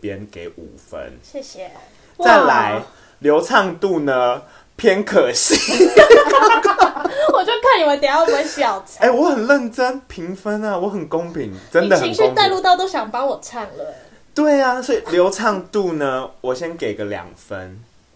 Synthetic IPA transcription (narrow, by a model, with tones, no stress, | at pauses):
pjɛ˦nke˧˩ɪṵ˨˩fə̰˦nɕjɛ˥˩ɕɛ˨˩ | t͡sa˥˩ɪla̰˧˦ɪ | ljo˧˥ʊt͡sʰɑ˥˧ŋt̪u˥˨nə˨ | pʰjɛ˥nkʰə˨˩˦ɕi˨˦kkwɔ˨˩t͡ɕjo˥˧ʊkʰa˥˩ni˨˩wa˧˥t̪ɛ˨˩jɑ˥˩wə˧˥ɕjɑ˨˩ʊt͡sʰe˥˩wɔ˨˦xə˨˩nlə˥˨˩nʈ͡ʂə˦npʰi˨˦˥ŋfə˦˥na˨wɔ˧˦xə˨˩nko˦˥ŋpʰi˨˩˦ŋʈ͡ʂə˦n˨nd̪ə˨hə˨i˧n˥˧˦ŋa˥˧ɪlu˥˧t̪ɑ˥˧ʊt̪o˥ɕjɑ˨˩ŋpɑ˥ŋwɔ˨˩t͡sʰa˥˧ŋlə˨˦ | t̪we˥˩ɪa˨swɔ˧˥i˨˩ljo˧˥ʊt͡sʰɑ˥˧ŋt̪u˥˨˧nə˨wɔ˨˩ɕjɛ˦nke˨˩ɪɡə˦ljɑ̰˨˩ŋfə̰˦n